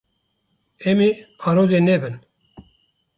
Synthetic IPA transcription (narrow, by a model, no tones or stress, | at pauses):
eːmiːaːɾoːzeːneːbɨn